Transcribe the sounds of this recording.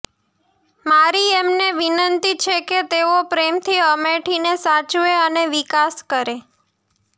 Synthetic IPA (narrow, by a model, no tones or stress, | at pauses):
maɾiemneʋinənt̪it͡ʃʰeket̪eopɾemt̪ʰiəmeʈʰinesat͡ʃʋeəneʋikaskəɾe